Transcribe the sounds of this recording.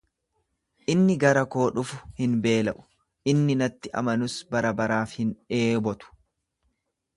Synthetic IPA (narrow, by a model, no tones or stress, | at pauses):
ʔɪnːɪɡɐɾɐko̞ːᶑʊfʊhɪnbe̞ːlɐʔʊ̥ | ʔɪnːɪnɐt̪ːɪʔɐ̰mɐnʊsbɐɾɐbɐɾaːfhɪnᶑe̞ːbɔt̪ʊ̥